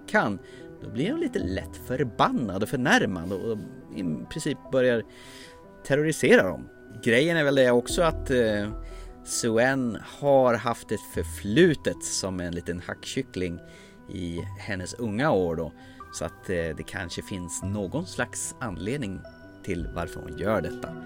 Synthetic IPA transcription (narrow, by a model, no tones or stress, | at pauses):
kʰan | d̪̥ɔblɪɾʊnliːt̪əlɛ̰t̪ːfœɾbanːad̪ɔfœɳæɾma̰d̪ɔɪ̰mpʰɾɪnsiːp̚bœɾjaɾ | t̪ʰɛɾʊɾɪseːɾad̪ɔ̰m | ɡɾɛjːənæɾvɛld̪ɛɔksɔat̪ | sɵɛnhaɾɦaft̪̚ɛfœɾflʉ̟ːt̪ət̪sɔmɛnliːt̪ənhakːɕʏklɪŋ | ɪ̰hɛnːəsɵŋːaoːɖɔ | sɔa̰t̪d̪ɛkʰa̰nʂəfɪnsnoːɡɔnslaksanːleːd̪nɪŋ | t̪ʰɪlva̰ɾfœ̰ɾhʊ̰njœːɖɛt̪ʰːa